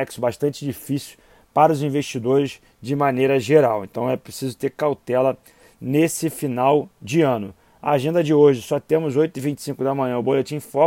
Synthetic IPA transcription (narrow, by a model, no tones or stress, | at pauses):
ɛksʊbaʃt̪ɐ̃t͡ʃɪd͡ʒifisiw | paɾɐʊzĩveʃt͡ʃid̪oɾɪs | d͡ʒɪmɐ̃nejɾɐʒeɾawḛ̃nt̪ɐ̃w̃ɛpɾesizʊt̪eɾkawt̪ɛlɐ | nesɪfinawd͡ʒɪɐ̃nʊ | ɐaʒẽnd̪ɐd͡ʒɪoʒɪsɔt̪ẽmʊzojt̪ʊivĩnt͡ʃɪ̥sĩkʊd̪ɐmɐ̃ɲ̃ɐ̃ʊbolet͡ʃĩfɔ